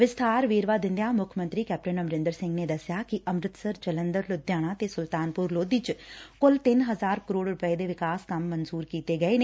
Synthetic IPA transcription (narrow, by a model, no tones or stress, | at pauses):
ʋɪst̪ʰaːɾʋeːɾʋaːd̪ɪ̃nd̪jãːmʊkʰmə̃nt̪ɾiːkɛːp̚ʈənəmɾɪ̃nd̪əɾsɪ̃ŋɡneːd̪əsjaːkɪʔəmɾɪt̪səɾd͡ʒələnd̪əɾlʊd̪jaːɽ̃ãːt̪eːsʊlt̪aːnpʊɾloːd̪iːt͡ʃkʊlt̪ɪnɦəzaːɾkəɾoːɽɾʊpəeːd̪eːʋɪkaːskəmːənzuːɾkiːt̪eːɡəeːneː